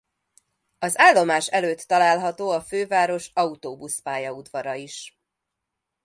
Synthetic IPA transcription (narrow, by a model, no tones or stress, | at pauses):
ɒzaːlːo̞maːʃɛløːt̪ːɒlaːlɦɒt̪oːɒføːvaːɾo̞ʃɒut̪oːbuspaːjɒud̪vɒɾɒiʃ